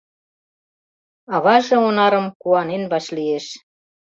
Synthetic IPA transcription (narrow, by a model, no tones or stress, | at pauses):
ɑβɑʒɤ̆onɑɾə̆mkuɑnenβɑʃlieʃ